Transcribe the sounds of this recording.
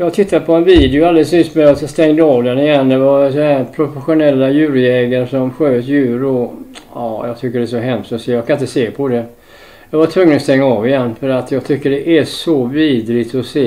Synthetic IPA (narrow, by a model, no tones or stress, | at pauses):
jɑːɡ̚t̪ʰɪt̪ːad̪pʰɔɛnviːd̪ɪʊald̪ɛlsnʏst̪mɛjast̪ɛŋd̪əɑːvd̪ɛnɪjɛnːd̪ɛvaɾsɔɦæːɾpʰɾʊfɛɧʊnɛlːajʉ̟ːɾɛːɡənʂɔmɧøːt̪jʉ̟ːɾɔɑːjɑ̰ɡt̪ʰʏkːəɖɛsɔɦɛmst̪ɔseːjɑkʰanɪt̪əseːpʰɔd̪ɛ | jɑɡvat̪ʰvɵŋːənɔst̪ɛŋːaɑːvɪjɛnːfœɾat̪jɑːɡt̪ʰʏkːəɖɛʔæʂɔviːd̪ɾɪt̪ɔseː